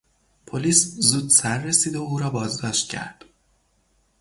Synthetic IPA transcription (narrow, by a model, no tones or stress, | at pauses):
pʰoliːszuːd̪sæɾːesiːd̪ouːɾɒːbɒːzd̪ɒːʃt̪̚cʲʰæ̰ɾd̪̥